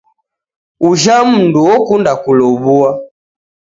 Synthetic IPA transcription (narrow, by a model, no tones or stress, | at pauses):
uʒam̩nduɔkundakulɔβua